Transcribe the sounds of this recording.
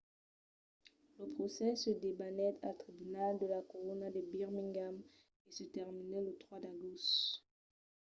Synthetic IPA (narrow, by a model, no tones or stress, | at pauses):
ləpχɔsɛsəd̪ebanɛt̪ʰalt̪χibynald̪əlakɔʁɔnad̪əbiʁmĩŋɡam | esət̪ɛʁminɛlət̪χwad̪aɡos